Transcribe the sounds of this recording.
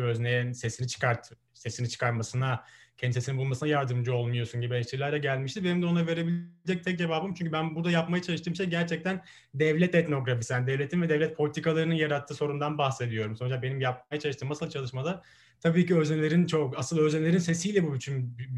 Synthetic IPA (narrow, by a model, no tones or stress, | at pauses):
øznejnsesinit͡ʃʰɯ̥kaɾt̪ʰ | se̞sinit͡ʃʰɯ̥kʰaɾmasɯnacʰɛnd̪isesinibulˠmasɯnajaɾd̪ɯmd͡ʒɯo̞lˠmujo̞sunɟibieʃt̪ʰiɾlʲæɾd̪ɛɟælʲmiʃt̪ibenimd̪ɛonave̞ɾe̞bilʲd͡ʒɛc̚t̪ʰɛc̚d͡ʒe̞vaːbɯmt͡ʃʰyɲʲcʰybænbuɾd̪ajapmajat͡ʃʰalˠɯʃt̪ʰɯːmiʃɛɟæɾt͡ʃʰɛc̚t̪ʰæn | d̪ɛvlʲɛt̪ɛt̪no̞ɡɾafisænd̪ɛvlʲet̪ʰinvɛd̪ɛvlʲɛt̪̚pʰo̞lʲit̪ʰikalˠaɾɯnɯjaɾat̪ʰːɯːso̞ɾund̪anbaxse̞d̪ijo̞ɾumsond͡ʒak̚be̞nimjap̚majat͡ʃʰalˠɯʃt̪ɯːmnasɯlˠt͡ʃʰalˠɯʃmad̪a | t̪ʰabiːciø̞znelʲe̞ɾint͡ʃʰokasɯlˠøznelʲe̞ɾinse̞sijlʲɛbubyt̪ʰyn